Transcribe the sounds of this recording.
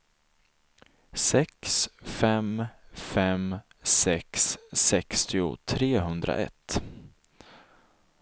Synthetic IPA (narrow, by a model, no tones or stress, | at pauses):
sɛksfɛmfɛm | sɛksːɛkst̪ɪʊ̰t̪ʰɾeːɦɵnd̪ɾa̰ʔɛ̰t̪ː